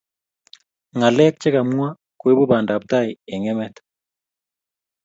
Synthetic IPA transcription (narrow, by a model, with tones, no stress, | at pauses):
ŋa˨lɛ˦k̚t͡ʃe˦ka˨m˦a˦ | kwe˦bu˦ba˨nda˨p̚ta˦je˨ŋɛ˦mɛ˦t